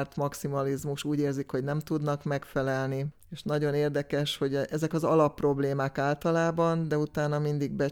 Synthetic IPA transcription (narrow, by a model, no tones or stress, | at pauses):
rt̪mɒksimɒlizmuʃuːɟeːrzikho̞ɟnɛmt̪ud̪nɒkmɛkfɛlɛlni | eːʃnɒɟo̞neːrd̪ɛkɛʃho̞ɟɛzɛkɒzɒlɒpːro̞bleːmaːkaːlt̪ɒlaːbɒnd̪ɛut̪aːnɒmind̪iɡ̚bɛ